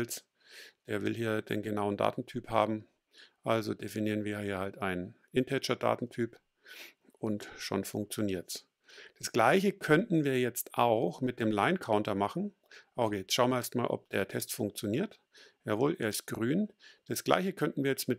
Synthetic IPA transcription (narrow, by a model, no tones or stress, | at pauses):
ls | d̥eːɐvɪ̰lɦiːɐd̥ḛːnɡənaʊənda̰ːtn̩tʰyːpha̰ːbm̩ | ʔalzo̰d̥efiniːʁənviːɐhiːɐhaltaɪnnʔɪntʰɛt͡ʃɐda̰ːtn̩tʰyːp | ʔʊntʃo̰nfʊŋk̚t͡sjoniːɐts | d̥asɡ̥laɪçəkʰœntn̩viːɐjɛt͡stʔa̰ʊxmɪt̚d̥eːmlaɪnkʰaʊntɐmaχn̩ | ʔaʊxɡet͡sʃaʊmɐeːɐstma̰ːlʔɔ̰p̚d̥eːɐtʰɛstfʊŋk̚t͡sjoniːɐt | jaːvoːlʔḛːɐɪst̚ɡ̥ʁyːnd̥asɡ̥la̰ɪçəkʰœntn̩viːɐjɛt͡stmɪt